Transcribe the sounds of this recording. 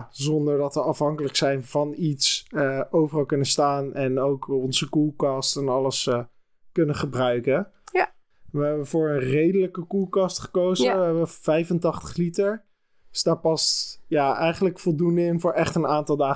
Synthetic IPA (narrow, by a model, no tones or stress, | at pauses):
zɔndəɹdɑtʋəɑfɦɑŋkələksɛjnvɑnitsəowvərɑlˠkɵnəstaːnɛnowkɔnzəkukɑstɛnɑləs | kɵnəχəbrœɥkə | ʋəɦɛbəvʊːɹənrejdələkəkulˠkɑstχə̥kowzəʋəɦɛbəv̥ɛjfəntɑχtə̥χlitəɹ | sd̥aːɹpɑstjaːɛjχənləkfɔlˠdundəɪnvʊːɹɛχtənaːntɑlˠdaː